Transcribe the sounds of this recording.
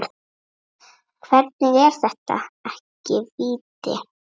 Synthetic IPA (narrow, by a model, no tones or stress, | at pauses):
ɾ | kʰvɛɾt̪̚nɪðɛɾ̥θɛht̪a̰ɛhcɪviːt̪ɪ̰